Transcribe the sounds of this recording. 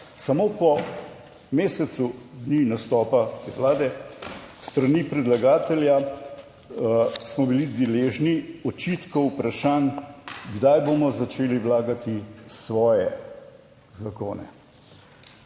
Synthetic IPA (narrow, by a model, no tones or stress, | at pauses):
samoːpɔ | meːsɛt̪sud̪ninast̪ɔːpat̪ḛːʋlaːd̪ɛ | st̪ɾanipɾɛd̪laɡaːt̪ɛlja | smɔbilid̪eleːʒniɔt͡ʃit̪kɔupɾaʃaːnɡd̪ajboːmɔzat͡ʃeːliʋlaːɡat̪isʋɔːjɛ | zako̰ːnɛ̰